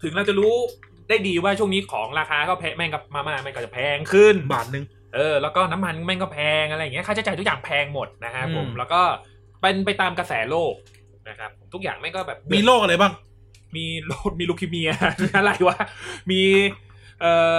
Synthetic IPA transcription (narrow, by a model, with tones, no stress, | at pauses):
t̪ʰɯ˩˦ŋɾa˧wt͡ɕa˨˩ɾuː˦˥ | daː˥˩jdiː˧waː˥˩t͡ɕʰu˥˩əŋniː˦˥kʰɔː˩˦ŋɾaː˧kʰaː˧kʰɔː˥˩pʰɛː˧ma˥˩nka˧˩maː˧maː˧˩ma˧nkɔ˧˩t͡ɕa˨˩pʰɛː˧ŋkʰɯ˥˩nba̰ː˨˩t̪̚nɯ˨˧ŋ | ʔɤː˧lɛː˦˥wkɔː˥˩na˦˥mːa˧nma˥˩nkɔː˥˩pʰɛː˧ŋʔa˧ɾa˧jːŋ˦˥˩kʰa˥˩t͡ɕa˨˩t͡ɕa˧t̪ʰu˥k̚jaː˨˩ŋpʰɛː˧ŋmo˨˩t̪̚na˦˥kʰa˦˥pʰo˨˩˦mlɛː˦˥wkɔː˥˩ | pe˧np̬a˧jt̪aː˧mka˧sɛː˩˦loː˥˩k̚ | na˦˥kʰa˦˥pʰːo˩˦mt̪u˦˥k̚ja̰ː˨˩ŋma˥˩nkɔː˥˩bɛː˨˩p̚miː˧loː˥˩k̚a˧ɾa˧jbaː˥˩ŋ | miː˧loː˥˩t̪̚miː˧luː˧kʰi˧mi˧ɐ˧ʔa˧ɾa˧˩jwaː˥˩miː˧ | ʔɤː˨˩